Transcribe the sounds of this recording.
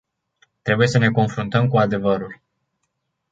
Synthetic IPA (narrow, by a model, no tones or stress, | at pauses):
t̪ɾe̞buje̞səne̞ko̞nfɾunt̪əmkuad̪e̞vəɾulʲ